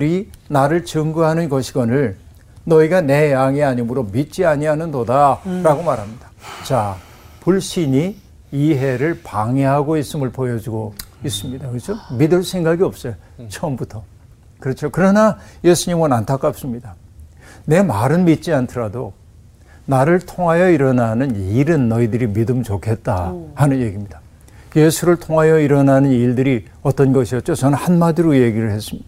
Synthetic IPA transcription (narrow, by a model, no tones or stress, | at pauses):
ɾinaɾɯɭt͡ɕɯŋɡuɦanɯnɡʌɕʰiɡʌnɯɭ | nʌiɡane̞jaŋiaɲimɯɾomit̚t͡ɕ͈iaɲianɯndodaɾaɡomaɾɦamɲidḁt͡ɕa | puɭɕ͈iɲi | iɦe̞ɾɯɭpaŋe̞ɦaɡois͈ɯmɯɭpojʌd͡ʑuɡois͈ɯmɲidakɯet͡ɕʰomidɯɭsʰe̞ŋɡaɡiʌp̚s͈ʌjot͡ɕʰʌmbutʰʌ | kɯɾʌt͡ɕʰokɯɾʌnaje̞sʰuɲimʌnantʰak͈ap̚s͈ɯmɲida | ne̞maɾɯnmit̚t͡ɕ͈iantʰɯɾado | naɾɯɭtʰoŋɦajʌiɾʌnanɯniɾɯnːʌidɯɾimidɯmt͡ɕokʰe̞t̚t͈ahanɯnje̞ɡimɲid̥a | je̞sʰuɾɯɭtʰoŋɦajʌiɾʌnanɯniɭdɯɾi | ʌt͈ʌnɡʌɕʰiʌt̚t͡ɕ͈ot͡ɕʌnɯnhanmadɯɾoje̞ɡiɾɯɭhe̞s͈ɯmɲid̥a